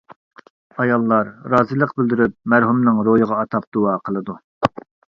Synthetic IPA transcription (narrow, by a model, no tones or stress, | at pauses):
ɑjɑlˠːɑɾɾɑːzilˠəqbɪld̪yɾyp̚mæɾɦumnɨŋɾojəʁɑːt̪ʰɑp̚d̪uwɑqʰəlˠɨd̪u